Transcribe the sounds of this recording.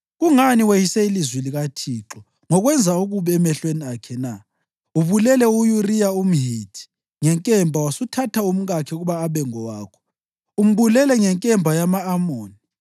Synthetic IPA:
ɣuŋaniwejisɛilizwiliɣatʰiːǁɔ | ŋɔɣwɛnd͡zʱauɣuβɛɛmɛɬweniakʰɛna | uβulɛlɛujurijaum̩ɦitʰi̥ | ŋɛŋkʼɛmbʱawasutʰatʰaum̩ɣakʰɛuɣuβaːβɛŋɔwaːkʰɔ̥ | um̩βulɛlɛŋɛŋkʼɛmbʱajamaːmoːni

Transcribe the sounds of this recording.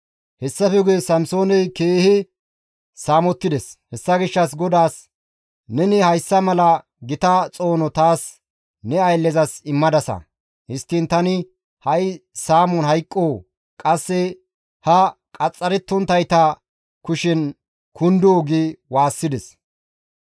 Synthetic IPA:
hɛsːɐfɛɡeːsɐmso̞ːnɛjkeːhɪ | saːmɔt̪ːɪd̪ɛshɛsːɐɡɪʃːɐs̬ɡɔd̪aːs | nɛnɪhɐjsːɐmɐlɐ | ɡɪt̪ɐt͡sʼo̞ːnɔt̪aːs | nɛɐjlːɛzɐsɪmːɐd̪ɐsɐ̰ | hɪst̪ːɪnt̪ɐnɪ | hɐjsaːmɔnhɐjkʼːoː | kʼɐsːɛ | hɐkʼɐt͡sʼːɐɾɛt̪ːɔnt̪ɐjt̪ɐ | kʊʃɪn | kʊnd̪oːɡɪwaːsːɪd̪ɛs

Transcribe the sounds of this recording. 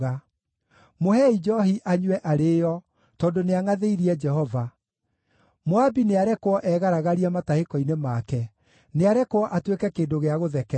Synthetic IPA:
ɣa | mohɛid͡ʒɔhiʔaɲwɛʔaɾeːjɔ | tɔːdoneaŋaðeiɾiɛd͡ʒɛhɔva | moabineaɾɛkwɔʔɛɣaɾaɣaɾiamatahekɔinemakɛ | neaɾɛkoɔʔatwekɛkeːndoɣeaɣoðɛkɛ

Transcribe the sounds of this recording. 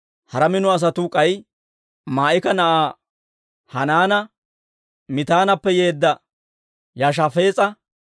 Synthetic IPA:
hɐɾɐmɪnʊɐs̬ɐt̪ʊkʼɐj | maːʔɪkɐnɐʔaː | hɐnaːnɐ | mɪt̪aːnɐpːɛjeːd̪ːɐ | jɐʃ̬ɐfe̞ːt͡sʼɐ

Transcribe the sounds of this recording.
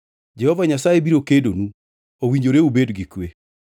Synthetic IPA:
d͡ʒɛhɔvaɲasajebiɾokedonu | owiɲd͡ʒoɾeubedɡikwe

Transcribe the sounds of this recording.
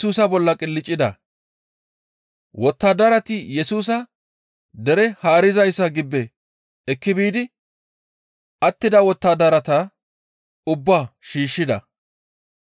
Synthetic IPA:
uːsɐbɔlːɐkʼɪlːɪt͡ʃʼːɪd̪ɐ̰ | wɔt̪ːaːd̪ɐɾɐt̪ɪjɛsuːs̬ɐ | d̪ɛɾɛhaːɾɪzɐjsːɐɡɪbːɛ | ɛkːɪbiːd̪ɪ | ɐt̪ːɪd̪ɐwɔt̪ːaːd̪ɐɾɐt̪ɐ | ʊbːaːʃiːʃːɪd̪ɐ̰

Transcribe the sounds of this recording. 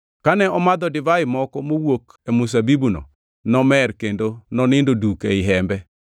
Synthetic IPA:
kanɛɔmad̪ɔdɪvaɪmɔkɔmowok | emus̬abibuno̰ | nɔmɛrkendonɔnɪndodukeɪɦɛmbɛ

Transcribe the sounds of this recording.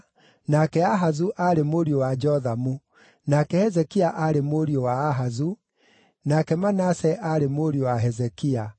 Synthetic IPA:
nakɛaɦazuʔaɾemoɾiowad͡ʒɔðamu | nakɛhɛzɛkiaʔaɾemoɾiowaːɦazu | nakɛmanasɛʔaɾemoɾiowaɦɛzɛkia

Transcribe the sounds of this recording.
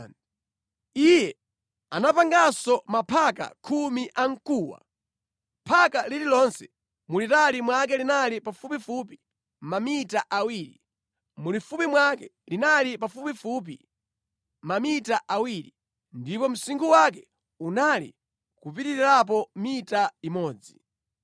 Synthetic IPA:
ijɛ | anapaŋɡasɔmapʰaka̰kʰumiʔaŋ̩kuːwa̰ | pʰakalililɔnsɛ̥ | mulitalimwak̬ɛlinalipafupifup̬i̥ | mamitaʔawiːɾi | mulifupimwakɛ | linalipafupifup̬ḭ | mamitaʔawiɾi | ndipɔm̩siŋɡuwakɛ | unalḭ | kupitiɾiɾap̬ɔmitaimɔːd͡zi

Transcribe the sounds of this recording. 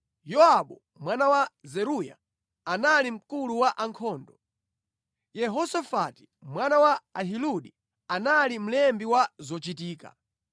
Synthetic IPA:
jɔaɓɔ | mwanawazɛɾuja̰ | analim̩kuluwaʔaŋkʰɔːndɔ | jɛɦɔsafati̥ | mwanawaaɦiluɗi | analim̩lɛmbiwazɔt͡ʃitiːka̰

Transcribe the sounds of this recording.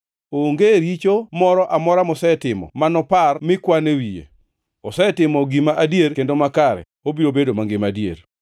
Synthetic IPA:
oŋɡeɾit͡ʃomɔɾɔʔamɔɾamɔsɛtɪmɔ̰manɔparmɪkwanewijḛ | ɔsɛtɪmɔɡimaʔadjeɾkendomakaɾɛ̰ | obiɾobedomaŋɡɪmadjḛɾ

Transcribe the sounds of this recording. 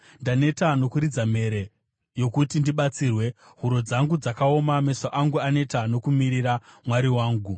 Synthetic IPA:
ndane̞tano̞kuɾid͡zame̞ɾe | jo̞kutindiɓat͡siːrwe̞ | ɦuɾo̞d͡zaŋɡud͡zakao̞mame̞soʔaŋɡuane̞tano̞kumiɾiɾamwaɾiwaːŋɡu

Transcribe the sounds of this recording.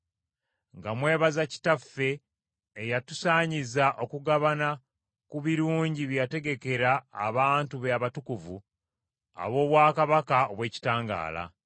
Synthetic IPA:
ŋɡamwe̞ːβazaci̥tafːe̞ː | jatusaːɲizaʔo̞kuɡaβana | kuβiɾuːɲɟiβjate̞ɡe̞ke̞ɾaːβaːntuβeaβatukuvṵ | a̰βo̞ːβwaːkaβakaoβwe̞ːci̥taːŋɡa̰ːla̰

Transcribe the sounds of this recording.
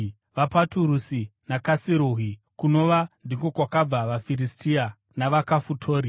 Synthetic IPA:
ʋapatuɾusinakasiɾuɦi | kuno̞ʋandiko̞kwakab͡vaʋafiɾistʰia | naʋakafutʰoːɾi

